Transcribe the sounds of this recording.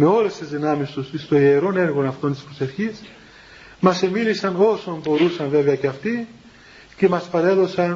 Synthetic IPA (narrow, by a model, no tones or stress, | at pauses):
me̞o̞le̞st̪izðinɐmist̪usist̪o̞ieɾo̞ne̞ɾɣo̞nɐft̪o̞nt̪ispɾo̞se̞fçis | mɐse̞milisɐno̞so̞mbo̞ɾusɐɱve̞veɐceɐft̪i | ce̞mɐspɐɾe̞ðo̞sɐn